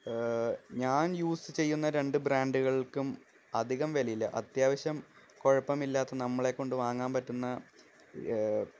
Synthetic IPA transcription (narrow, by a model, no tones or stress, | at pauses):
ɲaːnjuːsɨt͡ɕe̞jːunːɐɾe̞ɳɖɨbraːɳɖuɣɐɭilkum | ɐd̪ʱiɣɐmʋɐlɐjilːɐʔɐt̪jaːʋɐɕjɐm | ko̞ɻɐpːɐmilːaːt̪ːɐnɐmːɐɭe̞kːo̞ɳɖɨʋaːŋːaːnpɐtːunːɐ